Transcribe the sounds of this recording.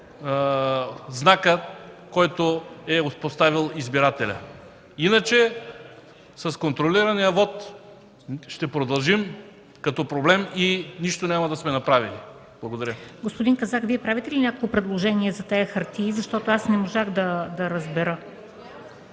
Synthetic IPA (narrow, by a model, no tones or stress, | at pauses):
znakəkɔjt̪oɛopost̪avilˠizbiɾat̪ɛlʲə̰ | inət͡ʃɛ | sɐskont̪ɾoliɾɐnijəvɔt̪ | ʃt̪ɛpɾod̪ɐlˠʒim | kɐt̪ɔpɾoblɛminiʃt̪onʲamɐd̪ɐsmɛnɐpɾavili | blˠɐɡod̪ɐɾjəɡospod̪iŋkɐzakviɛpɾavit̪ɛlinʲakokˠkopɾɛd̪lˠoʒɛniɛzɐt̪ɛjəxɐɾt̪iːzɐʃt̪ɔt̪oasnɛmoʒaɣd̪ɐd̪ɐɾɐzbɛɾə